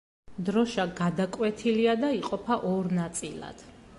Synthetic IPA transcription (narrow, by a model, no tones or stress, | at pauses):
d̪ɾɔʃaɡad̪akʼwɛt̪ʰiliad̪aiqʼɔpʰaʔɔɾnat̪sʼilˠa̰d̪̥